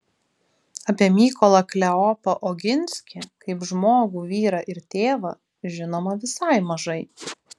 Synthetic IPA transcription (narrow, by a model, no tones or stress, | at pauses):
ɐpʲiɛmʲiːkɔlˠɐklʲɛɔpɐʔɔɡʲɪnʲsʲkʲekɐɪpʒmoːɡuːʋʲiːɾɐʔɪɾt̪ʲeːʋɐ | ʒʲɪnoːmɐʋʲɪsɐˑɪmɐʒɐɪ